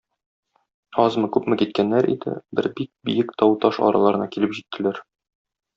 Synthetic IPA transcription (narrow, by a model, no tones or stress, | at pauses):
ɒzmɤkʉpmɘkit̪kænːæɾḭd̪ɘ̰bɘɾbik̚bijɘkt̪ɒwt̪ɒʃɒ̰ɾɑ̰lˠɑɾɤ̆nɑkilɘpʑit̪ːɘ̆læɾ